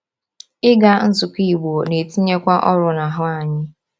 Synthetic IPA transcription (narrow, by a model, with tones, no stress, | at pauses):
ɪ˦ɡa˦n̩˦zʊ˨ki˦˨ɡ͡bo˨o˨ne˨ti˦ɲe˦kʷa˦ʔɔ˦ɾʊ˨na˨ɦʊ˦a˨ɲɪ˦